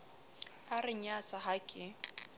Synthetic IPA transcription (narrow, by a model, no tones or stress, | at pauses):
arɪɲat͡sʼaɦakʼɪ